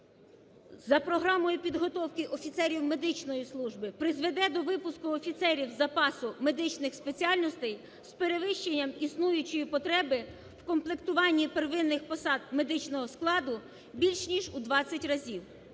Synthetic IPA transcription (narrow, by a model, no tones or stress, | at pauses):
zɐpɾɔɦɾɑmɔjʊpʲid̪ɦɔt̪ɔwkɪʔɔfʲit̪sɛɾʲiwme̞d̪ɪt͡ʃnɔjislˠuʒbɪpɾɪzʋe̞d̪ɛd̪ɔʋɪpʊskʊɔfʲit̪sɛɾʲiwzɐpɑsʊme̞d̪ɪt͡ʃnɪxspet͡sʲiɑlʲnɔst̪ɛj | speɾeʋɪʃt͡ʃenʲːɐmisnujʊt͡ʃɔjipɔt̪ɾɛbɪ | wkɔmplˠekt̪ʊʋɑnʲːiperʋɪnːɪxpɔsɑd̪̚me̞d̪ɪt͡ʃnɔɦɔsklˠɑd̪ʊ | bʲilʲʃnʲiʒud̪ʋɑt͡sʲːɐtʲrɐzʲiw